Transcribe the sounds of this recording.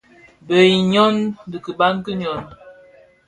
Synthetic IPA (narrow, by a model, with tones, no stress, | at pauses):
bə˨ji˨ɲɔ˦ndə˨kə˨ba˦ŋ˦kə˦ɲɔ˨n